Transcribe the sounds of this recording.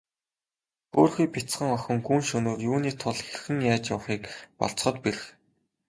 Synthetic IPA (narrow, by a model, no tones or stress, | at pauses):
xoːrxijpʲit͡sχə̆ŋɔxʲɞ̆ŋɡuːnʃɵnoːrjuːniːt̪ʰʊɮxerxɘ̆ŋjaːt͡ɕjʊwχiːkpɔ̰ɮt͡s̆χə̆t̪peɾɘ̆x